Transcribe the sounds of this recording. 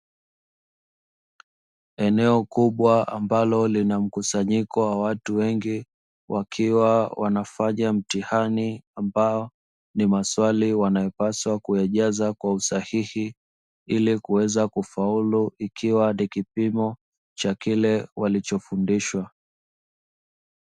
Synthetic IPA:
ɛnɛɔkuɓwaambalɔlinam̩kusaɲikɔwawatuwɛŋɡi | wʔakʰiwawʔa̰nafaɲam̩tihaniambaɔ | nimaswaliwanajɛpaswakuɛʄazakwausahihi | ilikuwɛzakufauluʔikʰiwanikipimɔ | t͡ʃakilɛwalit͡ʃɔfundiʃwa

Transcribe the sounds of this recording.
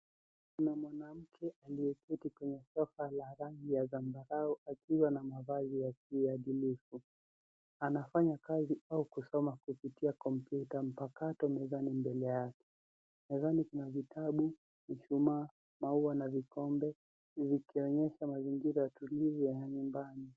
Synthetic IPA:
kunamwanam̩kʰɛʔaliɛpitikwɛɲɛsɔfalaɾaŋɡijazambaɾaɔʔakiwanamavazijakiaɗilifu | anafaɲakaziaukusɔmakupitiakɔm̩pjutam̩pakatɔmɛzanimbɛlɛjakɛ̥ | mɛzanikunavitʰaɓu | miʃumaː | mauwanavikɔmbɛ | vikiɔɲɛʃamaziŋɡiɾajatulivijajaɲumbani

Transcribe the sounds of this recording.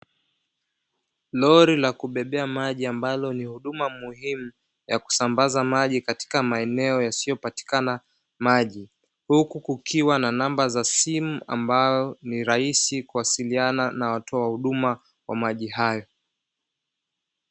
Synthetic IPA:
lɔɾilakuɓɛɓɛamaʄiambalɔnihuɗumamuhimu | jaku̥sambazamaʄikati̥kamaɛnɛɔjasijɔpati̥kana | maʄi | hukukukʰiwananambazasimua̰mbajɔniɾaisikuwasiliananawatʰɔwahuɗuma | wa̰maʄihajɔ

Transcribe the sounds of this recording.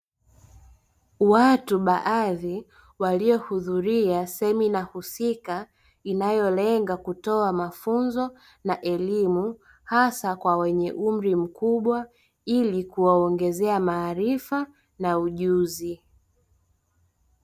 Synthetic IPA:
watuɓaʔaði | walijɔhuðuɾiasɛminahusika | inajɔlɛŋɡakutɔamafunzɔ | naʔɛlimu | hasakwawɛɲɛʔum̩ɾim̩kuɓwa | ilikuwaɔŋɡɛzɛamaːɾifa | nauʄuzi

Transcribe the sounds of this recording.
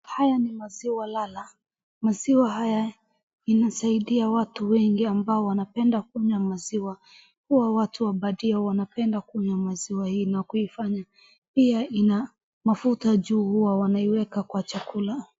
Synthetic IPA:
hajanimaziwalala | maziwaɦaja | inasaiɗiawatuwɛŋɡiambaɔwanapɛndakuɲwamaziwa | kuwawatuwaɓaɗiawanapɛndakuɲwamaziwahinakuifaɲa | piaʔina | mafutaʄuːhuwawanaiwɛkakwat͡ʃakula

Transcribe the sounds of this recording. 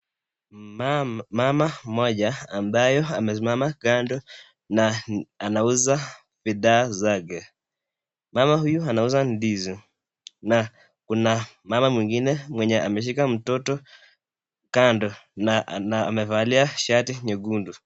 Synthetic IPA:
mamamɔʄaːmbajɔamɛs̬imamakandɔ | naanauza | fiɗaːzakɛ | mamahujuanauzandizɔ | na | kunamamamwiŋɡinɛmwɛɲɛʔa̰mɛʃ̬ikam̩tɔtɔ | kandɔnanaːmɛvaliaʃatiɲɛɡundu

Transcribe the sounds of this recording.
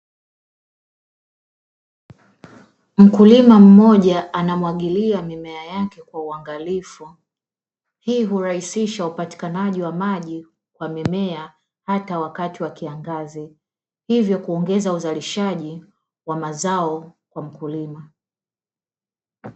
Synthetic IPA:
m̩kulimam̩mɔʄaʔanamwaɠiliamimɛajakɛkwauaŋɡalifu | hiːɦuɾahisiʃaupati̥kanaʄiwamaʄi | kwamimɛa | hatawakatiwakiaŋɡazi | hivjɔkuɔŋɡɛzauzaliʃaʄi | wamazaɔkwam̩kulima

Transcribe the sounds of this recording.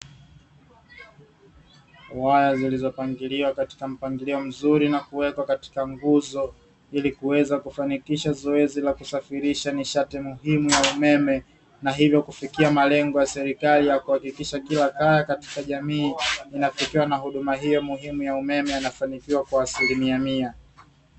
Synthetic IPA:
wajazilizɔpaŋɡiliwakati̥kam̩paŋɡiliɔm̩zuɾinakuwɛkwakati̥kaŋɡuzɔ | ilikuwɛzakufanikiʃazɔɛzilakusafiɾiʃaniʃatimuɦimujaumɛmɛ | naɦivjɔkufikiamalɛŋɡɔjasɛɾikalijakuhakikiʃakilakajakati̥kaʄamiːinafikiwanaɦuɗumaɦijɔmuɦimujaumɛmɛjanafanikiwakwaːsilimiamia

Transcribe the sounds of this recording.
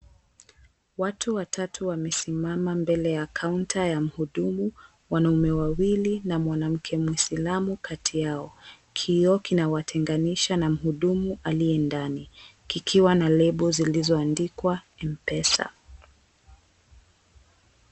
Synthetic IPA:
watʰuwatʰatʰuwamɛsimamambɛlɛjakʰauntʰajam̩huɗumu | wanaumɛwawilinamwanam̩kʰɛmwisilamukʰatʰijaɔ | kʰiɔkinawatʰɛŋɡaniʃanam̩huɗumuʔalijɛndani | kikʰiwanalɛɓuzilizɔandikwa | ɛmpɛsa̰

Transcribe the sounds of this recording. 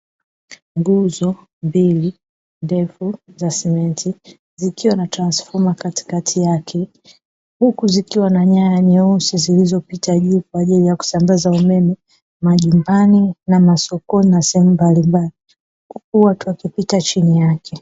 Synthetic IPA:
ŋɡuzɔ | mbili | ndɛfuzasɛmɛnti | zikiwanatɾansfɔɾmakati̥katʰijakʰɛ | hukuzikiwanaɲajaɲɛusizilizɔpitaʄuːkwaːʄilijaku̥sambazaumɛmɛ | maʄumbaninamasɔkɔninasɛhɛmumbalimbali | kuwatuwakipitat͡ʃinijakʰɛ

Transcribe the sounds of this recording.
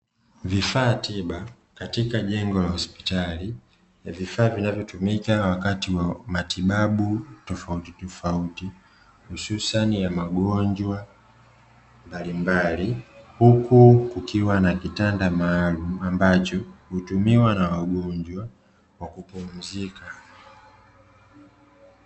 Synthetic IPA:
vifaːtiɓa | katikaʄɛŋɡɔlahɔspi̥tali | vifaːvinavjɔtumikawakatiwamatiɓaɓutɔfautitɔfauti | hususanijamaɡɔɲd͡ʒwa | mbalimbalihukukukʰiwanakitandamaːlum̩ambat͡ʃɔhutumiwanawaɡɔɲd͡ʒwa | wakupum̩zika

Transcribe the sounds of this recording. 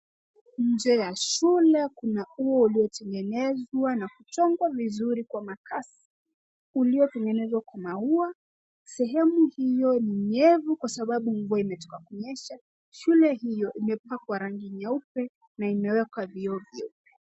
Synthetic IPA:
ɲ̩d͡ʒɛjaʃulɛkunauɔuliɔtʰɛŋɡɛnɛzwanakut͡ʃɔŋɡwavizuɾikwamakʰasi̥ | uliɔtɛŋɡɛnɛzwakwamaua | sɛɦɛmuhijɔniɲɛvukwasaɓaɓuɱvuaimɛtɔ̥kakuɲɛʃa | ʃulɛɦijɔʔimɛpakwaɾaŋɡiɲaupɛ | naimɛwɛkaviɔvjɛupɛ̥

